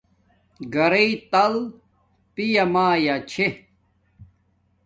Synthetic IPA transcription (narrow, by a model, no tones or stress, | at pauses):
ɡɐɾeit̪ɐl | pijɐmaːjat͡ɕʰe